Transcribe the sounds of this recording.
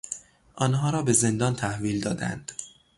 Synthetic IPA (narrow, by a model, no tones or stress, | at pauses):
ʔɒːnhɒːɾɒːbe̞ze̞nd̪ɒːnt̪ʰæhviːld̪ɒːd̪æ̰nd̪̥